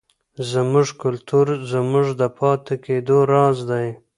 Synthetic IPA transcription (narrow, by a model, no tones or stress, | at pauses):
zəmʊʐkʊlt̪uɾzəmʊʐd̪əpʰɑt̪eked̪oɾɑzd̪aj